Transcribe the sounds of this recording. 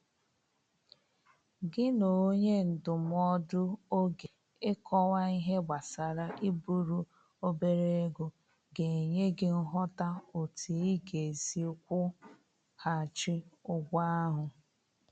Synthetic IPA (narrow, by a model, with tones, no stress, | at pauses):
ɡɪ˦no˨˦ɲe˦n̩˨dʊ˨m˦ɔ˦dʊ˦o˦ɡe˨ | ɪ˦kʰɔ˦wa˦i˦ɦe˦ɡ͡bʷa˨sa˨ɾa˨ʔi˦bu˦ɾu˦ | o˦be˨ɾe˦e˦ɡo˨ | ɡe˨ɲe˦ɡɪ˦n̩˦ɦɔ˦ta˦o˨tʰi˨i˦ɡe˨zi˦kʷʊ˦ | ha˨t͡ʃɪ˦ʊ˦ɡʷa˦a˦ɦʊ˨